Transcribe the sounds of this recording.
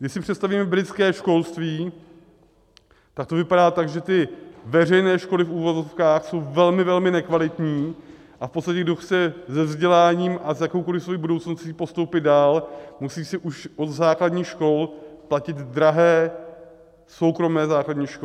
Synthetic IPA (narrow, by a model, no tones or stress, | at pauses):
ɡdɪʃsɪpr̝̥ɛt̪st̪aviːmɛbɾɪt͡skɛːʃko̞lst̪viː | t̪ak̚t̪o̞vɪpaɾaːt̪aɡʒɛt̪ɪvɛr̝ɛjnɛːʃko̞lɪfuːvozo̞fkaːxso̞wvɛlmɪvɛlmɪnɛkvalɪt̪ɲiː | ʔafpost̪acɛɡdoxt͡sɛzɛvzɟɛlaːɲiːmʔazjakowko̞lɪfsvojibudowt͡snosciːpo̞st̪owpɪd̪̚daːlmusiːsɪʔuʃʔo̞d̪zaːkladɲiːxʃko̞lplacɪd̪dɾaɦɛː | so̞wkɾo̞mɛːzaːkladɲiːʃko